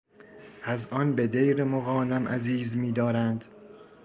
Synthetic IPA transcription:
ʔæzʔɒnbed̪ejɾemoɣɒːnæmʔæ̰ziːzmiːd̪ɒːɾænd̪̥

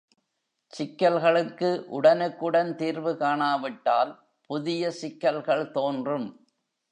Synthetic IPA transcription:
sɪkːɐlɣɐɭɯkːɯʔʊɽɐnɯkːɯɽɐnt̪iːɾʋɯkaːɳaːʋɪʈːaːl | pʊðɪjɐsɪkːɐlɣɐɭt̪oːndrɯm

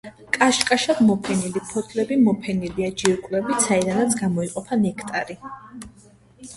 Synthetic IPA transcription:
kʼaʃkʼaʃad̪mɔpʰɛnilipʰɔt̪ʰʼlɛbimɔpʰɛniliad͡ʒiɾkʼlɛbisaid̪anat̪sʰɡamɔiqʼɔpʰanɛkʰt̪ʼaɾi

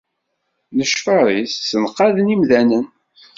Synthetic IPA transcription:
nəʃfəɾˤisːənqːɑðnimðænən

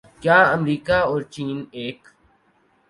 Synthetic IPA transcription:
kjaːəmɾiːkaːɔːɾt͡ʃiːneːk

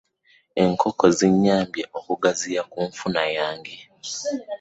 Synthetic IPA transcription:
eŋkʰo̞ko̞ziɲːaːmbjeʔokuɡazijakuɱfunajaːŋɡe

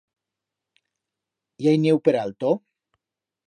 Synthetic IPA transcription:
jajnewpeɾalt̪o

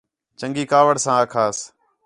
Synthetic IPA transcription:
t͡ʃəŋɡiːkaːʋəɽsãːəːkʰaːs

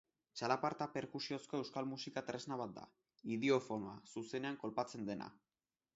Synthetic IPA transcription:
t͡ʃalapaɾt̪ape̞ɾkusio̞sko̞e̞wskalmusikat̪ɾe̞znaβat̪̚d̪a̰ | iðeofo̞noasuse̞ne̞aŋko̞lpat͡se̞nd̪e̞na̰

